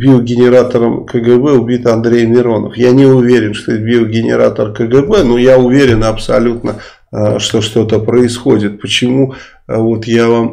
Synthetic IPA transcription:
bʲilˠɡʲɪnʲɪɾat̪əɾəmkəɡɛbɛʊbʲit̪ɐnd̪ɾʲejmʲɪɾo̞nə̰fjanʲɪʊvʲeɾʲɪnʂt̪oet̪bʲilˠɡʲɪnʲɪ̰ɾa̰t̪ərkəɡəbɛnujaʊvʲeɾʲɪnɐpsɐlʲut̪nə | ʂt̪o̞ʂt̪o̞t̪əpɾəɪsxo̞dʲɪt̪̚pət͡ɕɪmu | vo̞t̪javam

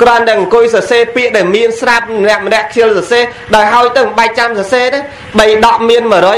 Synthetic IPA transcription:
krŏənt̪aəŋʔŋkʊjsɑseːpiəʔɗaɛlmiənsrap̚nɛ̆əʔmənɛ̆əʔkʰiəlsɑseː | ɗaɔjɦaɔjt̪ɨwɓaɛk̚t͡ɕamsɑseːna | ɓəjɗɑʔmiənməɾo

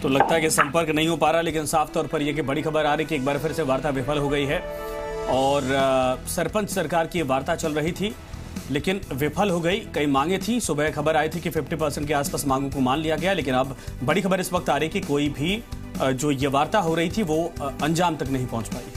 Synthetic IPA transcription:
t̪olɐɡ̚t̪aɦɛkisɐ̃mpəɾknɐɦĩɦopaːɾaleːkɪnsaːft̪ɔːɾpɐɾjekibɐɽixɐbəɾaːɾɐikieːk̚baːɾpʰɪɾseʋaːɾt̪aʋɪpʰəlɦoɡɐiɦɛ | ɔːɾsɐɾpə̃nt͡ʃsɐɾkaːɾkiʋaːɾt̪at͡ʃɐlɾɐɦit̪ʰi | leːkɪnʋɪpʰəlɦoɡɐikɐimãːŋɡet̪ʰĩsʊbʱəxɐbəɾaːet̪ʰikifɪfʈipɐɾsɛ̃ɳʈkeaːspaːsmãːŋɡõkomaːnlijaɡɐjaleːkɪnɐbbɐɽixɐbəɾɪsʋɐk̚t̪aːɾɐɦeikikoːibʱi | d͡ʒoːjeʋaːɾt̪aɦoɾɐɦit̪ʰiʋoɐ̃nd͡ʒaːmt̪ɐknɐɦĩpɐ̃ɦʊ̃t͡ʃpaːḭ

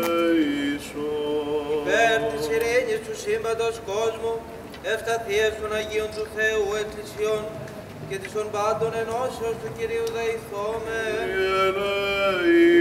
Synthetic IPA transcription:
isoipeɾt̪isiɾiɲist̪usimbɐd̪osko̞zmu | eft̪ɐθiest̪o̞nɐʝio̞nt̪uθe̞ueklisio̞n | ce̞t̪ist̪o̞mbɐnd̪o̞ne̞no̞seost̪uciɾiuðeiθomeenɐ

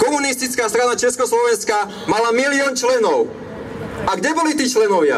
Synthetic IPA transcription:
kɔmunist̪it͡skaːst̪ɾanat͡ʃɛskɔslɔʋɛnska | malamiliɔːnt͡ʃlɛnɔʊ | aɡɟɛbɔlit̪iːt͡ʃlɛnɔʋɪa̰

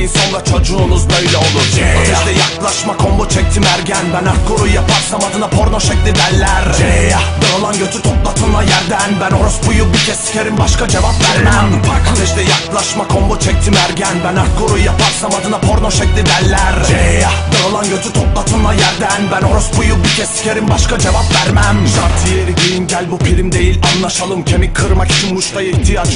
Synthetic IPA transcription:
inso̞nˠɾat͡ʃʰo̞d͡ʒuːnuzbø̞jlʲɛo̞lˠuɾt͡ʃ̪ɛʃt̪ɛjaklˠaʃmakʰo̞mbot͡ʃʰɛc̚t̪ʰimæɾɟænbænaɾkoɾujjapʰaɾsamad̪ɯnapʰo̞ɾnoʃɛclʲid̪ælʲːæɾ | ɛolˠanɟøt̪ʰyt̪ʰoplˠat̪ʰɯnlˠajæɾd̪ænbænoɾusbujubiɾcʰɛsi̥cʰeɾinbaʃkad͡ʒe̞vapvæɾmæakʰad̪ɛʃt̪ɛjaklˠaʃmakʰo̞mbot͡ʃʰɛc̚t̪ʰimæɾɟænbænak̪ɡoɾujjapʰaɾsamat̪ʰɯnapʰo̞ɾnoʃɛclʲid̪ælʲːæɾejabaɾalˠanɟø̞t̪ʰyt̪ʰoplˠat̪ʰɯlˠajæɾd̪ænbæno̞ɾusbujuicʲʰɛsi̥cʲeɾibaʃkad͡ʒe̞vapvæɾmæmʃaɾt̪ʰijeɾiɟiinɟælʲbupʰiɾʲimd̪e̞jilʲanlˠaʃalˠɯmcʰemikʰɯɾmaki̥t͡ʃʰinmuʃt̪ʰajiht̪ʰijat͡ʃ

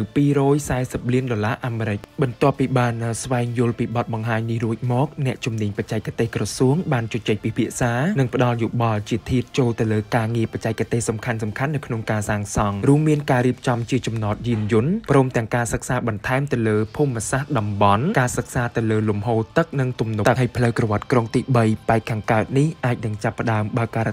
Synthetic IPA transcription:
wpiːɾɔːjsaɛsəp̚liənɗoːlaːʔaːmeɾɨc̚ɓɑnt̪ŏəpːiːɓaːnsʋaɛŋjʊ̆əlpiːɓɑt̪̚ɓɑŋɦaːɲnihruəc̚mɔːk̚nɛ̆əʔt͡ɕumniəɲpac̚t͡ɕaɛc̚kːat̪eːhkrɑsuəŋɓaːnt͡ɕʊt͡ɕəc̚pipʰiəʔsaːnɨŋpə̆ɗɑljuɓɑlt͡ɕiət̪ʰiət̪̚t͡ɕoːlt̪ɨwləːkaːŋiəpac̚t͡ɕaɛc̚kːat̪eːhsɑmkʰansɑmkʰanːɨwkʰnoŋkaːsaːŋsɑŋruəmːiənkaːɾiəp̚t͡ɕɑmt͡ɕiət͡ɕɑmnɑːt̪̚jiənjʊ̆ənprɔːmt̪ɛ̆əŋkaːsək̚saːɓɑnt̪ʰaɛmt̪ɨwləːpʰuːmːasahɗɑmɓɑnkaːsək̚saːt̪ɨwləːlumhoːt̪ɨk̚nɨŋt̪umnuɨɦajpʰləwkrɔʋŏət̪̚kroŋt̪iːɓəjpaɛkʰːaːŋkaət̪̚nihʔaːc̚nɨŋt͡ɕapːə̆ɗaəmɓaəkaː

